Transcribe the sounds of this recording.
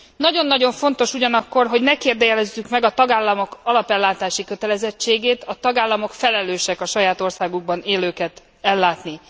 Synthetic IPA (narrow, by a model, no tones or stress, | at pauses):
nɒɟo̞nːɒɟo̞ɱfo̞n̪t̪o̞ʃuɟɒnɒkːo̞rɦo̞ɟnɛkeːrd̪ɛjɛlɛzːykmɛɡɒt̪ɒɡaːlːɒmo̞kɒlɒpɛlːaːt̪aːʃikø̞t̪ɛlɛzɛt͡ʃːeːɡeːt̪ɒt̪ɒɡaːlːɒmo̞kfɛlɛløːʃɛkɒʃɒjaːt̪o̞rsaːɡuɡ̚bɒneːløːkɛt̪ | ɛlːaːt̪ni